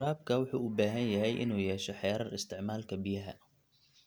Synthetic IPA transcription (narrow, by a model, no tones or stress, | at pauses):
ɾaːb̚kʰɐwʊħuːubaːɦɐnjɐɦɛjʔɪ̰nuːjɛːʃɔħɛːɾɐrɪst̪ʰɪʕmaːlkʰɐbɪjɐɦɐ̰